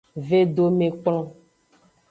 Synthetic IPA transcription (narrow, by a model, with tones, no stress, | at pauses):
ve˦ɖo˦mẽ˨k͡plɔ̃˦